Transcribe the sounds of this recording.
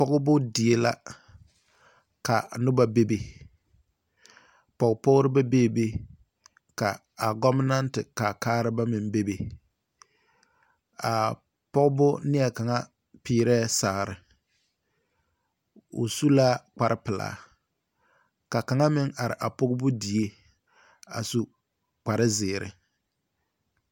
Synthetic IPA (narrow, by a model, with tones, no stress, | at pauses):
pɔ˦ɡʊ˦bʊ˦dɪ˨e˦la˦ | ka˨nʊ˦ba˦be˦be˨ | pɔ˨ɡpɔ˦ɡʊ˦ɾɪ˦ba˦be˦˨be˦ | ka˨ | a˨ɡɔ˦mɪ˦na˦ntɪ˨ka˨kaː˦ɾɪ˦ba˦mɪ˨mbe˦be˨ | a˨ | pɔ˦ɡbʊ˦nɪ˦ɛ˨ka˨ŋa˦ | piː˦ɾɛː˦sa˨ɾɪ˨ | ʊ̰˨su˦la˦k͡pa˨ɾʔɪ˦pɪ˨la̰ː˨ | ka˨ka˨˦ŋa˦mɪ˦ŋa˨ɾɪ̰˨ʔa˨pʊ˦ɡbʊ˦di˨e˦ | a̰˨su˦ | k͡pa˨ɾɪ˦zɪː˨ɾɪ̰˨